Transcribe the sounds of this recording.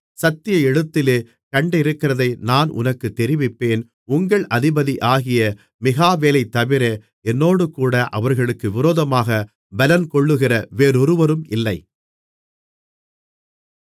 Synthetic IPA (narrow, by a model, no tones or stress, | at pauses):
sɐt̪ːɪjɐɛɽɯt̪ːɪleː | kɐɳɖɪɾɯkːɪrɐðɐɪnaːnʔʊ̰nɐkːɯt̪ːɛɾɪʋɪpːeːn | ʊŋɡɐɭʔɐðɪbɐðiʔaːɣɪjɐ | mɪɣaːʋeːlɐɪt̪ːɐʋɪɾe | ɛnːoːɽɯkuːɽɐʔɐʋɐɾɣɐɭɯkːɯʋɪɾoːðɐmaːɣɐ | bɐlɐnkɔɭːɯɣɪrɐʋeːɾɔɾɯʋɐɾɯmɪlːɐɪ